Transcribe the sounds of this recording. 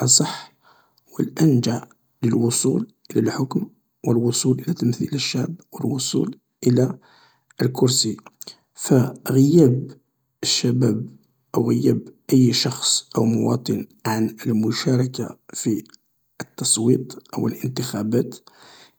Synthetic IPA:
ʔɑsˤɑħ | wəlʔænd͡ʒaʕ | ləlwʊsˤulʔəlælħʊkm | wəlwʊsˤulʔəlæt̪əmθḭləʃːaʕbwəlwʊsˤṵl | ʔəla | əlkʊɾsi | fæɣəjæb | əʃːæbæb | ʔəwɣəjːæbʔəjːʃɑxsˤʔəwmʊwɑ̰t̪ˤən | ʕanəlmʊʃæɾˤɑka̰fi | ət̪ːɑsˤwḭt̪ˤʔəwəlʔənt̪əxæbæt̪

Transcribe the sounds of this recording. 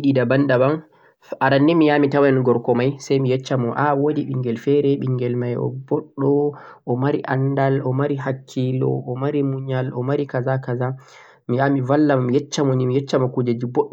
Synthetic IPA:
iɗidabandabam | ʔaɾanːimijamitawɛnɡɔɾkɔmajsajmijɛt͡ʃːamɔʔawodiɓiŋɡɛlfɛɾɛɓiŋɡɛlmajɔ̰bɔɗːɔ | ʔɔmaɾiʔandalɔmaɾiɦakʰːilɔ̰ʔɔmaɾimuɲalɔmaɾikazakaza | mijamivalːammijɛt͡ʃːamɔnimijɛt͡ʃːamɔkud͡ʒad͡ʒibɔɗː

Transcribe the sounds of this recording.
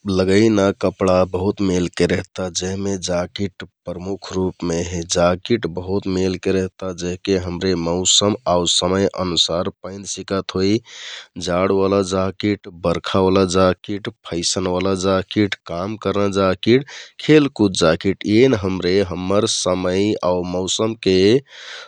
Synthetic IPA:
ləɡəinakəpɽabəɦut̪melkeɾeɦt̪ad͡ʒəɦmed͡ʒakiʈpɾəmukʰɾupmeɦed͡ʒakiʈbəɦut̪melkeɾeɦt̪ad͡ʒeɦkeɦəmɾeməʊsəmausəməjʔə̰nusaɾpə̃ɪ̃nd̪sikət̪ɦoid͡ʒaɽʋalad͡ʒakiʈbəɾkʰaʋalad͡ʒakiʈpʰəɪsənʋalad͡ʒakiʈkamkəɾnəd͡ʒakiʈkʰelkud͡ʒakiʈenɦəmɾeɦəmːəɾsəməjauməʊsəmke

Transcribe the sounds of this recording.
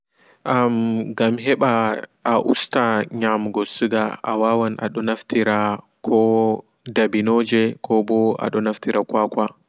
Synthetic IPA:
ʔamɡamɦɛɓaʔaʔṵstaɲamɡɔsuɡaa̰wawanʔa̰ɗɔnaftiɾa | kʰɔ | dabinoːd͡ʒɛkʰɔbɔa̰ɗɔnaftiɾakwakwa

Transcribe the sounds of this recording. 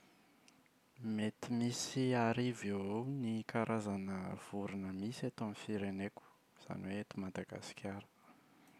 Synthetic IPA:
met̪imisiaɾivenikaɾʔazanəv̥uɾinəmiset̪omifiɾeneku̥ | z̥a̰niweet̪umad̪aɡa̰si̥kʲʰaɾə̥

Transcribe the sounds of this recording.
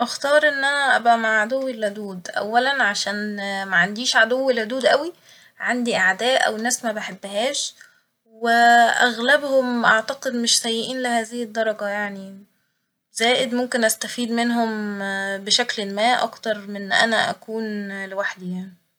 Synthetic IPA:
ʔɑxt̪ɑːɾˤʔenːʔænæʔæbæmaʕʕad̪owːilhod̪uːd̪ʔæ̰wːælænʕaʃæːnmæʕand̪iːʃʕad̪owːelʕod̪uːd̪ʔæwi | ʕand̪iʔaʕd̪æːʔʔæ̰wnːæːsmæbeħebːɦæːʃ | weʔæ̰ɣlæbhomʔaʕt̪ɑqed̪meʃsæjːeʔiːnlehæːzɪhed̪ːɑɾˤɑɡɑjaʕni | z̥æːʔed̪momkenʔæst̪æfiːd̪menɦombeʃæklemæːʔʔɑ̰kt̪ɑɾˤmenʔæ̰næʔæ̰kuːnlewaħd̪ijaʕni

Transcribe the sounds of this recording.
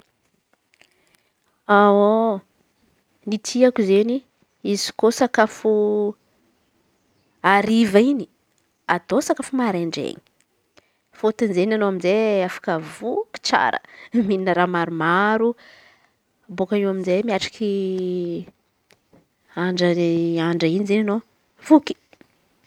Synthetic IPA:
ao | nit̪ʰiakuzeni | izi̥kosakafu | aɾivaini̥ | ad̪osakafumaɾeɳɖ͡ʐḛɲi̥ | fot̪inzenanoaminzeafḁkəvuki̥t͡sa̰ɾə̰mininəɾamaɾumaɾu | bokaniwaminzemiaʈ͡ʂḁkʰi | aɳɖ͡ʐəaɳɖ͡ʐəinizenano | vuki̥

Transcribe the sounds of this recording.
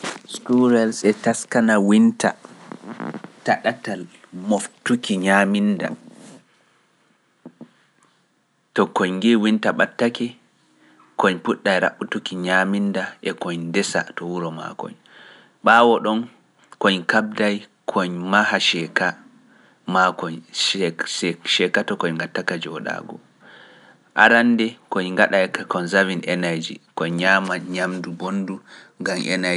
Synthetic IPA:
skuɾɛlsɛtaskanawinta̰ | taɗatal | moftukiɲaminda̰ | tɔkɔɲɡiwintaɓatːakɛ | kɔɲpuɗːajɾa̰ɓːutukiɲamindaʔɛkɔɲndɛsa̰tɔwuɾɔma̰kɔ̰ɲ | ɓawɔɗɔn | koɲkab̚daj | kʰɔɲmahaʃɛka | makɔɲ | ɛʃɛkatɔkɔɲŋɡatːakad͡ʒɔɗa̰ːɡɔ̰ | ʔa̰ɾandɛkoɲŋɡaɗajkakɔnzavinɛnajd͡ʒikɔɲɲamaɲamdubonduŋɡamʔɛ̰na

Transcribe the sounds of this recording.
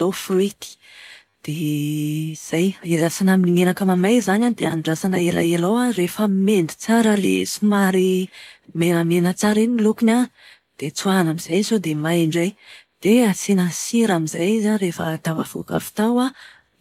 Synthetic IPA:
d̪ofrit̪i̥ | d̪̥e | z̥ajezasanaminiŋenakəmamajzanand̪eanɖ͡ʐasanaela̰elowarefəmend̪i̥t͡saɾəlḛsumaɾimenəmenət͡saɾinimilukina | d̪̥et͡suanamizajsod̪emaiɳɖ͡ʐajd̪̥easenəsiɾamizajizarefət̪ava̰v̥ṵka̰fi̥t̪awa

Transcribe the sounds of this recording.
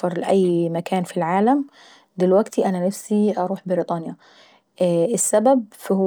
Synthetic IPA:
ɑɾˤlɪʔæjːmakaːnfilʕaːlam | d̪ɪlwaɡt̪ʰiʔananafsiʔɑɾˤuːħbɪɾit̪ˤɑːnja | ɪsːabab̚fh

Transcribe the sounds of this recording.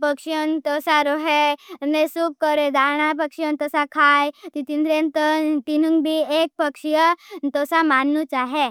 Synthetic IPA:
pəkʂjənt̪ɔsaɾoɦenesuːp̚kəɾed̪ʱaɾɳapəkʂjənt̪əsakʰajt̪it̪inɾent̪ət̪inuŋɡbʱiek̚pəkʂjət̪ɔsamanːut͡ʃaɦe

